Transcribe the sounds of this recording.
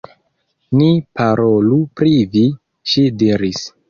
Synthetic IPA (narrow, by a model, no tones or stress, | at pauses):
nipaɾolupɾivi | ʃidiɾis